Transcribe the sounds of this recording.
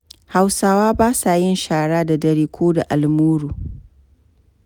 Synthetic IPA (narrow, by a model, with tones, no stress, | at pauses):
ha˨wsaː˦waː˦baː˦sa˨jɪ˦nʃaː˨ɽaː˦da˨dɐ˦ɾiː˦kʷoː˦da˨ʔa˨lmuː˦ɽuː˨